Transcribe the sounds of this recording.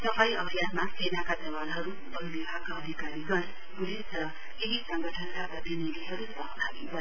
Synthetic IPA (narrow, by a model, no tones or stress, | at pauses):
t̪ʌpaĩʔʌbʱjad̪masenakad̪ʌwalɦʌɾu | bʌlbibʱaɡkaʌd̪ʱikaɾiɡʌɾ | bulisrʌ | keɦisʌŋɡʱʌʈʰʌnkaprʌt̪inid̪ʱiɦʌɾusʌɦt̪ʰaɡibʱʌ